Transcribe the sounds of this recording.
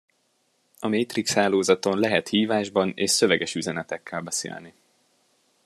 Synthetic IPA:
ɒmeːt̪rikshaːloːzɒt̪o̞nlɛɦɛt̪hiːvaːʒbɒneːʃsø̞vɛɡɛʃyzɛnɛt̪ɛkʰːɛlbɛsḛːlni

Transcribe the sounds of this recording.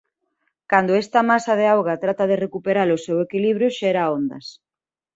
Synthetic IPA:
kand̪oɛst̪ɐmasað̞eawɣat̪ɾat̪aðerekupeɾalosewekiliβɾjoʃɛɾaond̪ɐ̰s

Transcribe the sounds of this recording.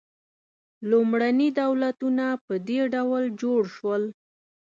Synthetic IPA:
lumɽanid̪awlat̪unapəd̪eɖawld͡ʒoɽʃwəl

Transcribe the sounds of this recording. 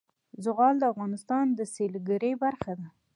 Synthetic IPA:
zʊɣɑld̪əafɣɑnɪst̪ɑnd̪əselɡaɾəjbaɾxad̪a

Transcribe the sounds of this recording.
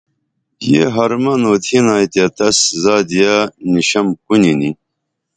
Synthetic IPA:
jḛɦɐɾmɐnoːt̪ʰinaːit̪jat̪ɐszaːd̪ijaniɕɐmkunini

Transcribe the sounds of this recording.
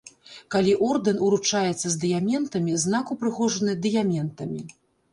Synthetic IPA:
kalʲiʔɔrd̪ɨnuɾut͡ʂajɛt̪sːɐzʲd̪ɨjamʲɛnt̪ɐmʲizn̪akupɾɨxɔʐɐnɨd̪ɨjamʲɛnt̪ɐmʲi

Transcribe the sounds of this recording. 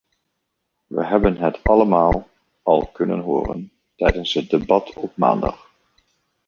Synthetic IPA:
ʋə̰ɦɛbənɦɛtʰɑləmaːlˠ | ɑlˠkɵnənɦʊːrə̰n | tɛjdənsɦət̚debɑtʰɔp̚ma̰ːndɑ̰χ

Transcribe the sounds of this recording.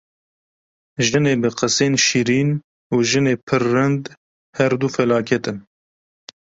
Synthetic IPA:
ʒɨneːbɨqɨseːnʃiːɾiːn | uːʒɨneːpʰɨrːɨnd̪ | hɛɾd̪ufɛlɑːkʰɛt̪ɨn

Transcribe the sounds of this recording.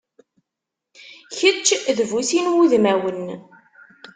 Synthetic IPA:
çət͡ʃːðvusinwuðmæwən

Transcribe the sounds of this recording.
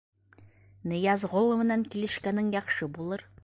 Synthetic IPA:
nɤ̆jɑzʁolˠɤ̆mɘ̆næŋkilɘ̆ʃkænɘŋjɒχʃɤbulˠɤɾ

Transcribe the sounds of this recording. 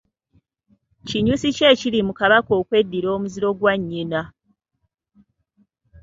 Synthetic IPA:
ciɲusice̞ːcilimukaβako̞ːkwe̞dːiɾo̞ːmuziɾo̞ɡwaɲːina

